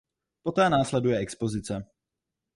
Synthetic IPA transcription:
pot̪ɛːnaːslɛdujɛɛkspo̞zɪt͡sɛ

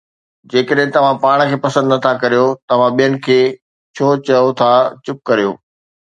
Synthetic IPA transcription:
d͡ʑeːkəɗɦɪ̃t̪ɐʋ̤ãpaːɽ̃kʰeːpɐsə̃nd̪nət̪ʰakɐɾijot̪ɐʋ̤ãɓijənɪ̆kʰeː | t͡ɕʰoːt͡ɕɐjot̪ʰat͡ɕʊp̚kɐɾijo̰ː

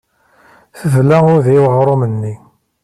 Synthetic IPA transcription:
θəðlæʊɾðiwʁɾˤomənːi

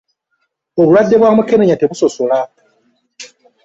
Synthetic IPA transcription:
oβuladːe̞βwamuke̞neɲateβuso̞sola

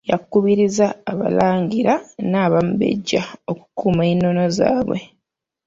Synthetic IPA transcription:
jakːuβiɾizaːβa̰laːŋɟiɾanaːβam̩be̞̰ɟːaoku̥kuːmainːo̞noza̰ːβwe̞̰

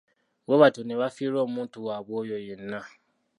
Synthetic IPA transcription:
woatonĩwafiɾɔmũtuabojɔjen̩nã

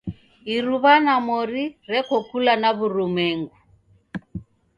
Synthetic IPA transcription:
iɾuβanamɔɾiɾɛkɔkulanaβuɾumɛŋɡu

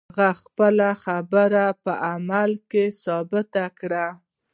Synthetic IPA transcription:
ɣaxpəlaxabəɾapəʔamalkesɑbɪt̪akɽa

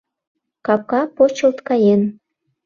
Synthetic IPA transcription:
kɑp̚kɑpot͡ɕəlt̪kɑjen

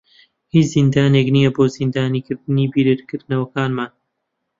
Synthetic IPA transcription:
hit͡ʃzind̪aːneknijɐboːzind̪aːniːkɨɾd̪ɨniːbiːɾɨɾkɨɾd̪nɐwɐkaːnmaːn

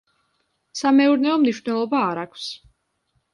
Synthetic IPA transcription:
samɛuɾnɛɔmniʃvnɛlˠɔbaːɾakʰfs

